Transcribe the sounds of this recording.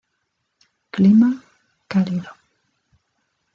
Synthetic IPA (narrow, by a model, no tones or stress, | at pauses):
klima | kaliðo